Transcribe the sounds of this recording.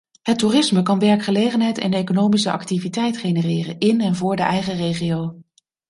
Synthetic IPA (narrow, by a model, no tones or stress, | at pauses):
ɦətːuːrɪsməkɑnʋɛɹkχəlejχənɦɛjtɛ̰nejkonowmisəɑ̰ktivitɛjtχejnərɪːrənɪnɛnvʊːɹdəʔɛjχərejχijow